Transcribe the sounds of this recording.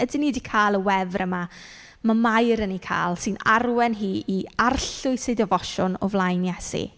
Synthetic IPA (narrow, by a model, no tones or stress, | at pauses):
ədɪniːdikʰaːlˠəwɛvrəma | mamajɾənikʰa̰ːlˠsɨnarwɛnɦiːiarɬʊɨsɨjdɔvɔʃɔnɔ̰vlˠajnjɛsḭ